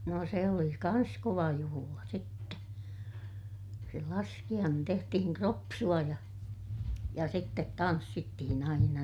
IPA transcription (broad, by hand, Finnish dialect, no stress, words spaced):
no se oli kɑns koʋɑ juhulɑ sitːe se lɑskij̆ɑːnen tehtihiŋ kropsuɑ jɑ jɑ sitːet tɑnsːitːihin ɑinɑ